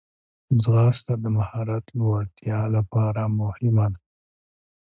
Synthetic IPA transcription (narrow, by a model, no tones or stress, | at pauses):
zɣɑst̪ad̪əmahɑɾat̪lawaɽt̪ʰjɑlapɑɾamʊhɪmad̪a